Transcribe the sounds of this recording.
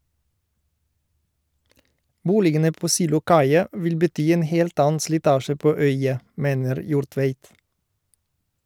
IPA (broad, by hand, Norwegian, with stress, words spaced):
ˈbuːlɪɡənə ˈpoː ˌsiːlʊˈkɑɪɑ ˈʋɪl bəˈtyː ˈeːn ˈheːlt ˈɑːən slɪˈtɑːʃə ˈpoː ˈœʏɑ ˈmeːnəɾ ˈjuːɾˌtʋeɪt